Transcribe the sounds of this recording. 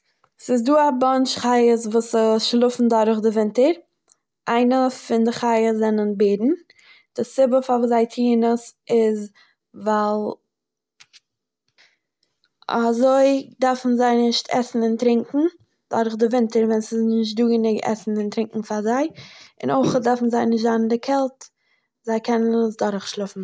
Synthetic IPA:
sɪs̬duːabɔnt͡ʃχaɪəsvuːsəʃlˠʊfn̩dɔɾχdɪvɪntəɾ | ʔaɪnəfɪndɪχaɪjəszɛnənbeːdn̩ | d̥ɪsɪbəfavuːzaɪtʰiːnəsɪz | valˠ | a̰zoɪdaɾfn̩zaɪnɪʃtʰɛ̰sn̩ɪntɾɪŋkŋ̩ | d̥ɔɾχdɪvɪntəɾvɛnsɪsnɪʃtduːɡənɪɡɛ̰sn̩ɪntɾɪŋkŋ̩fazaɪɪ̰noɪχdaɾfn̩zaɪnɪʃ̬tzann̩dɪkʰɛlˠt | zaɪkʰɛnənəsdɔɾχʃlˠɪfn̩

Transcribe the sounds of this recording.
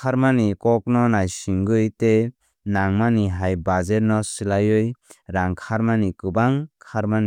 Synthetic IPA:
kʰaɾmanikɔk̚nɔnajsiŋɡɯjte | naŋmaniɦajbazeɾnɔsilajɯjɾaŋkʰaɾmanikɯbaŋkʰaɾmani

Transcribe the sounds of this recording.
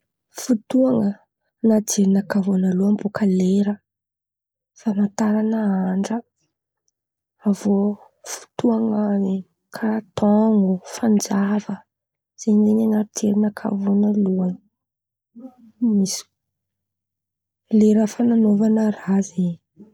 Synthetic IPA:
fut̪uaŋə | nat͡seɾinəkavonaluambokʰəleɾə | famant̪aɾanəaɳɖ͡ʐə | vo | fu̥t̪uaŋəze | kʰat̪ʰɔŋufand͡zavə | z̥enzeɲanaɾt͡seɾinəkʰa̰vonaluan | misi̥ | leɾəfananovanərazeɲ

